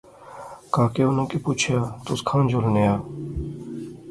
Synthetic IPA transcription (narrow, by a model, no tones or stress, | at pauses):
kãːkeunõkipuːt͡ʃʰjaːt̪ʊskʰãːnd͡ʒolnejaː